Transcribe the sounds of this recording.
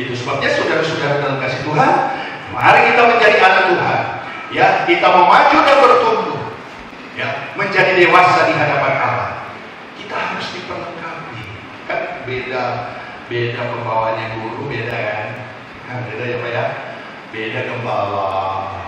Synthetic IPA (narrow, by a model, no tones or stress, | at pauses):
it̪usəbap̚ɲasudasudaɾadalamkasit̪uɦan | maɾaŋkit̪aməɲd͡ʒadiʔanak̚t̪uɦa̰n | jakit̪aməmad͡ʒudanbərt̪umt̪ʊh | jaməɲd͡ʒadidewasadiɦadapanʔala̰h | kit̪aɦaɾʊsdipərləŋkapi | kanbeda | bedakəmbawaɲaɡuɾubedakan | abedajapaja | bedakəmbawa